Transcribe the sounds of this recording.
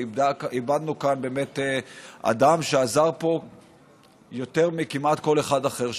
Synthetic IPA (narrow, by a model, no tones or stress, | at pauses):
ibad̪nukanbe̞me̞t̪ea̰d̪amʃeazaʁpo̞ | jo̞te̞ʁmikimat̪ko̞le̞χadaχe̞ʁ